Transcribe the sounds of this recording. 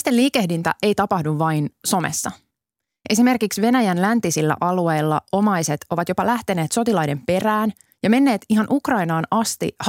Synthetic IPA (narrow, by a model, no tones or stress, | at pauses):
st̪enliːke̞hdint̪æ̰ʔe̞jt̪ɑpɑhduʋːɑinso̞mḛsːɑ | ʔesime̞rkiksʋe̞næjænlænt̪isilːæ̰ʔɑlue̞jlːɑo̞mɑjset̪o̞ʋɑt̪jo̞pɑlæht̪e̞ne̞ːt̪so̞t̪ilɑjde̞mpe̞ræːn | jɑme̞nːe̞ːt̪iɦɑnʔukrɑinɑːnɑst̪ḭh